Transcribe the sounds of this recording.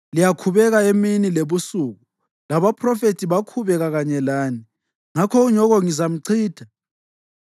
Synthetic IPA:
lijakʰuβɛɣaeminileβusuɣu | laβapʰrɔfetʰiβakʰuβɛɣaɣaɲɛlaːni | ŋakʰɔuɲɔɣɔŋizam̩ǀʰiːd̥ʰʱa

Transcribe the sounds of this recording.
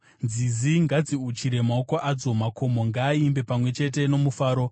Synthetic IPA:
nziziŋɡad͡ziut͡ʃiɾe̞maokoʔad͡zo̞mako̞mo̞ŋɡaːimbe̞pamwe̞t͡ʃe̞t̬e̞no̞mufaːɾo̞

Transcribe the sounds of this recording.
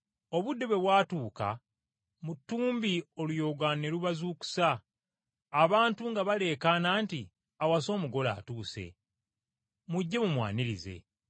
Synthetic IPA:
o̞βudːe̞βwe̞βwaːtuːka̰ | mutːuːmbio̞lujo̞ːɡwane̞luβazuːku̥saː | βaːntuŋɡaβale̞ːkanaːnti | awas̬o̞ːmuɡo̞la̰ːtuːse̞̰ | muɟːe̞mumwa̰ːniɾize̞̰

